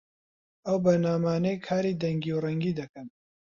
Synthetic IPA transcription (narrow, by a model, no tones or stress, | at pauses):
ɐwbɐɾnaːmaːnejkʰaːɾiːd̪ɐŋɡiwrɐŋɡiːd̪ɐkɐn